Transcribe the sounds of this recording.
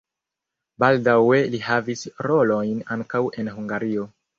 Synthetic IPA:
baldawe̞lihavisɾo̞lo̞jnaŋkawe̞nɦuŋɡaɾio̞

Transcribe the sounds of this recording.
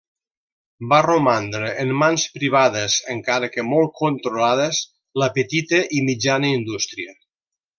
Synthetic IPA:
baromand̪ɾəʔːnmanspɾiβ̞aðəzəŋkaɾəkəmɔl̚ˠkont̪ɾolaðəz | ləpət̪it̪əʔimid͡ʒanəind̪ust̪ɾiə

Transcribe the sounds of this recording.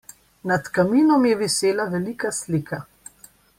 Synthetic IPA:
nat̪kamiːnɔmjɛʋiseːlaʋɛlikasliːkʰa

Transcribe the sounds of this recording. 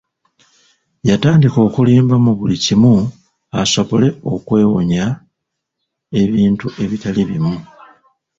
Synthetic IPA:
jataːndiko̞ːkuliːmbamuβulicimu | aso̞βo̞le̞o̞kwe̞ːwo̰ɲa | e̞βiːntuʔe̞βitaliβimu

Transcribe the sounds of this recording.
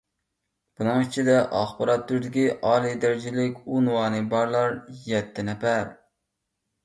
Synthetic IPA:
b̥unɨŋit͡ʃʰid̪ɛʔɑχbɑɾɑt̪ːyɾd̪ɪkʲiʔɑːlˠid̪æɾɪd͡ʒilɪkʲunwɑːnɨbɑɾlˠɑɾjɛt̪ʰːɪnɛfæɾ

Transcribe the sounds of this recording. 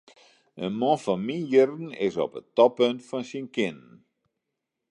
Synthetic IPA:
ənmɔ̃nfɔnminjərn̩ɪsɔ̰pətɔpøntfɔnsinkɪnən

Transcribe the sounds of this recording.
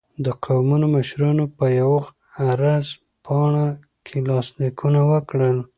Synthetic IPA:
d̪əqʰawmunomaʃɾɑnopəjawɣ | aɾaz | pʰɑɳa | kʰelɑslikʰunawəkɽəl

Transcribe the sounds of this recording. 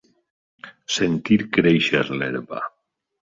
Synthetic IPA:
sent̪iɾkɾejʃeɾleɾβa̰

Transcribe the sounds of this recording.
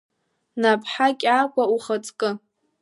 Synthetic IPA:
napʰħakʲʼakʷʰʼauχət͡sʼkʼɨ

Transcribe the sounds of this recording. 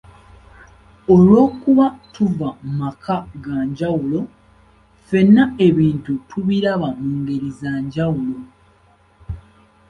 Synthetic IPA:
olwo̞ːkuβatuvamakʰaɡaɲɟawulo̞ | fe̞nːae̞βiːntutʰuβiɾaβamuːŋɡe̞ɾizaːɲɟawulo̞

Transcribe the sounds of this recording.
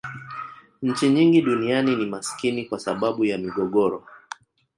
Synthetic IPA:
ɲ̩t͡ʃiɲiŋɡiɗunianinimaskinikwasaɓaɓujamiɠɔɠɔɾɔ

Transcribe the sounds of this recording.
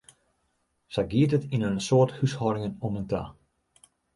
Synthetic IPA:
sɛjɡiətətinənsoːthyshɔːɾɪŋənɔmənta̰

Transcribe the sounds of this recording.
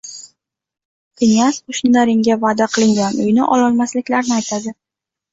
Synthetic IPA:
pʰɪnʲasqʊʃnɪd̪aɾɪŋɡʲavad̪aqʰɨlˠɪŋɡʲanʊjnɪʔɒlˠɒlmaslɪkʲlaɾnɪajt̪ʰad̪ɪ

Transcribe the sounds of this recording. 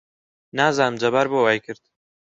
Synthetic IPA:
naːzaːnɨmd͡ʒɐbaːɾbowaːjkɨɾd̪

